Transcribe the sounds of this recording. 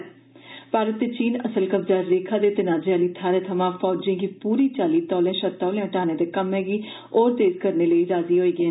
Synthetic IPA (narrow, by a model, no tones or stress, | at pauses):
paːɾət̪ːeːt͡ʃiːnəsəlkəbzaːɾːeːkʰãːd̪eːt̪ənaːd͡ʒeaːliːt̪ʰaːɾeːt̪ʰəmãːpʰɔːd͡ʒẽːɡiːpuːɾiːt͡ʃaːliːt̪ɔːlẽːʃəɾt̪ɔːlẽːəʈaːneːd̪eːkəmɦɛːɡiː | oːɾt̪eːzkəɾneːləiːɾaːziːɦoːiːɡeː